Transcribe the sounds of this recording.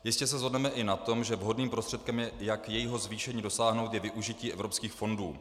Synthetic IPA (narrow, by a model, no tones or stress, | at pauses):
jɪscɛs̬ɛzɦodnɛmɛʔɪnat̪o̞mʒɛvɦo̞dniːmpɾost̪r̝̥ɛt̪̚kɛmjɛjakjɛjɪɦo̞zviːʃɛɲiːdo̞saːɦno̞wt̪jɛvɪʔuʒɪciːɛvɾo̞pskiːxfo̞nduː